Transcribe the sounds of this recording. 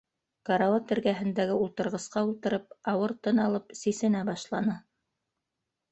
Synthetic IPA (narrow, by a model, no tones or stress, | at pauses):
kɑɾɑwɑt̪ɘ̆ɾɡæɦɘ̆nd̪æɡɘulˠt̪ɤ̆ɾʁɤ̆sqɑulˠt̪ɤ̆ɾɤpɑwɤɾt̪ɤnɑlˠɤpsisɘ̆næbɑʃlˠɑnɤ